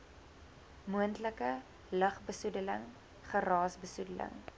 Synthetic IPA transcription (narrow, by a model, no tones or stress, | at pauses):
muəntləkə | ləχbəsudələŋ | χəɾɑːsbəsudələ̰ŋ